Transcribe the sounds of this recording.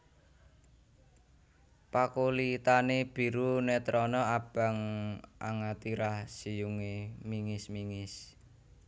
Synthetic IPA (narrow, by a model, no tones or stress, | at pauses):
pakolit̪aneb̥i̤ɾunɛt̪ɾɔnɔab̥a̤ŋa̰ŋat̪iɾahsijuŋemiŋɪsmiŋɪs